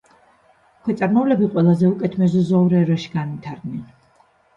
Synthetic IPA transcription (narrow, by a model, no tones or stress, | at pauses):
kʰwɛt̪sʼaɾmɔvlɛbiqʼwɛlˠazɛukʼɛt̪ʰmɛzɔzɔuɾɛɾaʃi̥ɡanvit̪ʰaɾd̪nɛn